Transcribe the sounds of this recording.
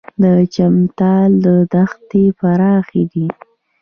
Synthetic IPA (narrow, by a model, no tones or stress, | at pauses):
d̪ət͡ʃamt̪ɑld̪əd̪axt̪epaɾɑxed̪i